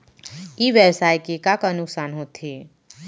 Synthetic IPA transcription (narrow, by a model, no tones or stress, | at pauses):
iːʋjəwsaːjkekakaənʊksaːnɦoːt̪ʰe